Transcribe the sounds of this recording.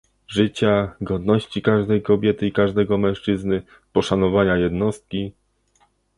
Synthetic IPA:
ʐɘt͡ɕaɡɔd̪nɔɕt͡ɕikaʐd̪ɛjkɔbʲjɛt̪ɘikaʐd̪ɛɡɔmɛ̃w̃ʂt͡ʂɘznɘ | pɔʂanɔvaɲajɛd̪nɔst̪̚kʲi

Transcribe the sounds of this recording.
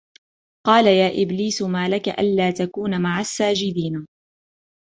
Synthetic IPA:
qɑːlajaːʔɪbliːsʊmaːlakaʔa̰nlaːt̪akuːnamaʕasːaːd͡ʒɪd̪iːna

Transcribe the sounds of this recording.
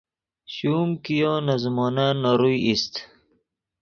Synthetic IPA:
ɕuːmkijoːnazmoːnanːoɾujist̪

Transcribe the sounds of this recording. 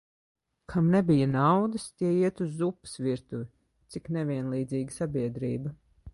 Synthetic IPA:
kʰamnebijanawd̪ɨst̪ʲiɛiɛt̪uzːupɨ̥sviɾt̪uji | t̪siknɛvʲiɛnlˠiːd̪ziːɡisabʲiɛd̪ɾiːbɐ

